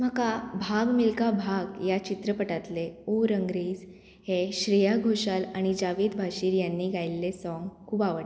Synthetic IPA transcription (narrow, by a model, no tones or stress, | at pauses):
m̤əkabʱaɡmilkabʱaɡjat͡ɕit̪ɾəpəʈat̪leoɾəŋɡɾiːd͡z | heɕɾijaɡʱoɕalaɽ̃id͡ʑaʋiːd̪bʱaɕiːɾjanːiːɡʱajlːesɔŋɡkʰuːbaʋəʈ